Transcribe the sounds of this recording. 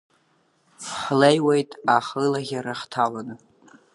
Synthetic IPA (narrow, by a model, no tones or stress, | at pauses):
ħlejwejtʼaħɨlaɣʲaɾaχtʰalanɨ